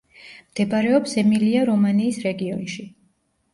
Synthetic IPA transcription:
md̪̥ɛbaɾɛɔpsɛmiliaɾɔmaniːsɾɛɡiɔnʃi

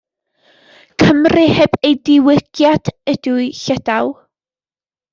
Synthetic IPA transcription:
kʰəmrɨhɛbejdɪwɪɡ̥jad̥ɛd̥uʊjɬɛd̥aw

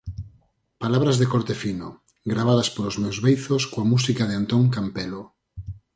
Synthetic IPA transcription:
palaβɾazðekoɾt̪efino | ɡɾaβ̞aðaspolozmewzβejθoskoamusikað̞eant̪oŋkampelo

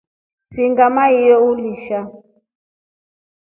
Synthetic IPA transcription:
siŋɡamaijɔuliʃa

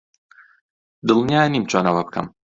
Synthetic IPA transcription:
d̪ɨlˠnijaːjniːmt͡ʃʰonɐwɐb̚kʰɐ̰m

